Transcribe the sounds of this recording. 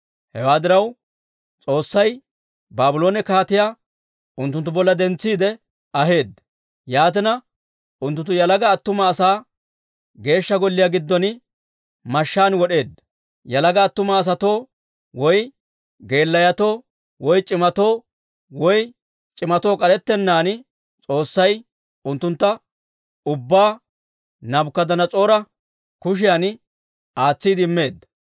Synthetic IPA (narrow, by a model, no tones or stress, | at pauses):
hɛwaːd̪ɪɾɐw | t͡sʼo̞ːsːɐj | baːbʊlo̞ːnɛkaːt̪ɪjaː | ʊnt̪ːʊnt̪ːʊbɔlːɐd̪ɛnt͡sːiːd̪ɛ | ɐɦe̞ːd̪ | jaːt̪̬ɪnɐ | ʔʊnt̪ːʊnt̪ːʊjɐlɐɡɐːt̪ːʊmɐːsaː | ɡe̞ːʃːɐɡɔlːɪjaɡɪd̪ːɔn | mɐʃːaːnwɔɗe̞ːd̪ | jɐlɐɡɐːt̪ːʊmɐːs̬ɐt̪o̞ː | wɔj | ɡe̞ːlːɐjɐt̪o̞ː | wɔjt͡ʃʼɪmɐt̪o̞ː | wɔj | t͡ʃʼɪmɐt̪o̞ːkʼɐɾɛt̪ːɛnːaːn | t͡sʼo̞ːsːɐj | ʊnt̪ːʊnt̪ːɐ | ʊbːaː | nɐbkːɐd̪ɐnɐt͡sʼo̞ːɾɐ | kʊʃ̬ɪjan | ʔaːt͡sːiːd̪ɪɪmːe̞ːd̪ːɐ̥